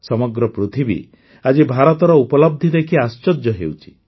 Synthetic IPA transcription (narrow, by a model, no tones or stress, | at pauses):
sɔmɔɡɾɔpɾut̪ʰibḭ | ad͡ʒibʱaɾɔt̪ɔɾɔupɔlɔb̚d̪ʱid̪ekiast͡ʃɔd͡ʒjɔɦḛwt͡ʃʰi̥